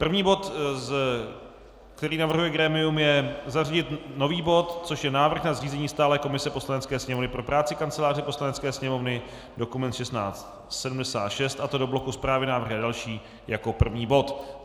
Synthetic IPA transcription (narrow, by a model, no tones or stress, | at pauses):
pr̩vɲiːbo̞t̪z | kt̪ɛɾiːnavr̩ɦujɛɡɾɛːmɪjumjɛzaraɟɪt̪no̞viːbo̞t̪t͡so̞ʃjɛnaːvr̩xnazriːzɛɲiːst̪aːlɛːko̞mɪsɛpo̞slanɛt͡skɛːsɲɛmovnɪpɾo̞pɾaːt͡sɪkant͡sɛlaːr̝ɪpo̞slanɛt͡skɛːsɲɛmo̞vnɪ | do̞kumɛnt̪ʃɛst̪na̰ːt͡st̪ | sɛdumdɛsa̰ːt̪ʃɛst̪ʔat̪o̞do̞blo̞kuspɾaːvɪnaːvr̩ɣɪadalʃiː | jako̞pr̩vɲiːbo̞t̪